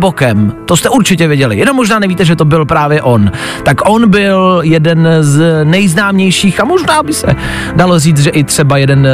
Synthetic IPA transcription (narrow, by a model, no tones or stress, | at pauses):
bokɛmt̪ost̪ɛuɾt͡ʃɪcɛvjɛɟɛlɪ̰jɛnomːoʒnaːnɛviːt̪ɛʒɛt̪o̞bɪlpɾaːvjɛʔo̞n | t̪akʔo̞nbɪljɛdɛnznɛjznaːmɲɛjʃiːxamoʒnaːbɪsɛ̰ | dalo̞riːt͡s̪ʒɛʔɪt̪r̝̥ɛbajɛdɛn